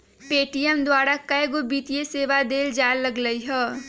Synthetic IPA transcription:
peːʈijɛmd̪waːɾakɐeɡobiːt̪ijeseːʋad̪eːld͡ʒaːlːɐɡləiɦɛː

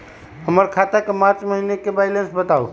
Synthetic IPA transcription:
həməɾkʰat̪akepãt͡ʃməɦinekebajlensbət̪au

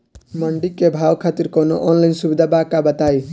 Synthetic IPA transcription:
mʌɳɖikebʱawkʰat̪iɾkʌnoʔɔnlajnsubid̪ʱabakːabʌt̪aj

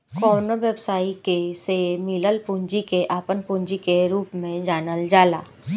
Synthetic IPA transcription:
kɔːnoʋjəbsaːikesemiləlpũːɲd͡ʒikeʔaːpənpũːɲd͡ʒikeɾuːpmẽd͡ʒaːnəld͡ʒaːla̰ː

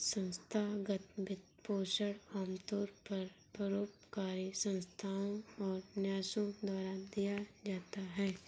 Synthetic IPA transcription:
sə̃nst̪ʰaɡət̪bɪt̪̚poːʃəɽaːmt̪oːɾpɐɾ | pɾəɾoːpkaːɾisə̃nst̪ʰaːõɔːɾnjaːʃõd̪waːɾad̪ijad͡ʒaːt̪aɦɛː

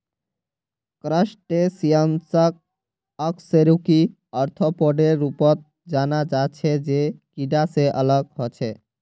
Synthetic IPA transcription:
kɾaʃʈesiansak̚ | ɔkseɾuki | ɔɾt̪ʰopɔɖeɾːupot̪̚ | d͡ʑanad͡ʑat͡ɕʰed͡ʑekiɖaseʔəlaɡɦot͡ɕʰe

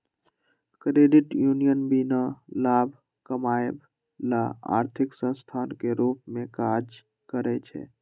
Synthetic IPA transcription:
kɾeːɖɪʈjuːnijənbinalaːbʱ | kəmaːjb | laa̰ːɾt̪ʰɪksə̃nst̪ʰaːnkeɾuːp̚mẽkad͡ʒ | kəɾɛt͡ʃʰɛ̰ː

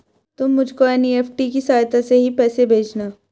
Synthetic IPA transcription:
t̪ʊmːʊd͡ʒʱkoɛːnieːfʈikisaːjt̪aseɦipɛːsebʱeːt͡ʃnaː

